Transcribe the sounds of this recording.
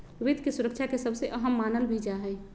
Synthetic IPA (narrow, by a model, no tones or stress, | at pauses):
ʋɪd̪ʱkisuɾəkʃʰakesəbseʔəɦəmːaːnəlbʱid͡ʒaɦɛː